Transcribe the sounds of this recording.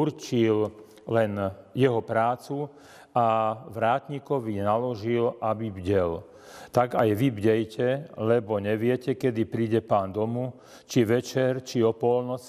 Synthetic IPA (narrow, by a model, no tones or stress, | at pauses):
urt͡ʃil | lɛnjɛɦɔpɾaːt͡su | aʋɾaːt̪ɲikɔʋinalɔʒilʔabibɟɛl | t̪aɡajʋibɟɛjcɛlɛbɔɲɛʋɪɛcɛkɛd̪ipɾiːɟɛpaːnd̪ɔmu | t͡ʃiʋɛt͡ʃɛɾt͡ʃiɔpɔlnɔt͡s